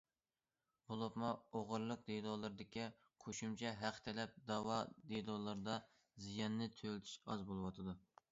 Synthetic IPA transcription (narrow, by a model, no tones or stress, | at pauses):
bolˠopmuoʁʊɾlˠʊq̚d̪elˠɔlˠɨɾɨd̪ɪkʲi | qʰoʃumt͡ʃʰɛɦæqʰt̪ʰɪlɛp̚d̪ɑwɑd̪elˠɔːlˠɨɾɨd̪ɑ | zijɑnːɪt̪ʰølt̪ʰy̥ʃɑ̰zbolˠɨwɑt̪ʰɨd̪u